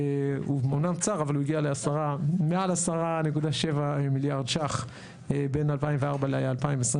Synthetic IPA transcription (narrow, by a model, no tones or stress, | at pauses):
umonamt͡saʁavaluiɡialeasaʁamealasaʁanekud̪aʃevamiljaʁd̪ʃaχ | be̞nalpaimveaʁbaleajaaːlpaimvesʁi